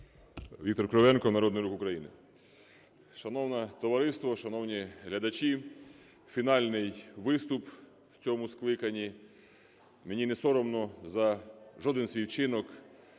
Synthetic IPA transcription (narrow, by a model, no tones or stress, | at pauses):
ʋʲikt̪ɔrkɾɔʋɛnkɔnɐɾɔd̪nɪjɾukʊkɾɐjinɪ̰ | ʃɐnɔwnɛt̪ɔʋɐɾɪst̪ʋɔʃɐnɔwnʲiɦlʲɐd̪ɐt͡ʃi | fʲinɑlʲnɪjʋɪst̪ʊp | wt͡sʲɔmʊsklˠɪkɐnʲi | menʲinɛsɔɾɔmnɔzɐʒɔd̪ɪnsʲʋʲiwt͡ʃɪnɔk